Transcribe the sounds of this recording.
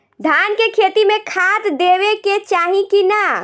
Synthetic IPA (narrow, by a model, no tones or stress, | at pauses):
d̪ʱankekʰet̪imekʰat̪d̪eβeket͡ʃaɦikina